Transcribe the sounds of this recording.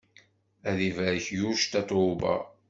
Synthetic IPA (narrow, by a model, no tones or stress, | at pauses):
æðivæɾçjuʃt̪æt̪ˤʊbæ̰